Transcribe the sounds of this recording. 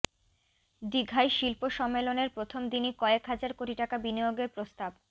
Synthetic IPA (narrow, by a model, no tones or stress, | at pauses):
ɖiɡʱajʃilpoʃɔmːeloneɾpɾot̪ʰomd̪inikɔekɦad͡ʑaɾkoʈiʈakabinijoɡeɾpɾost̪ab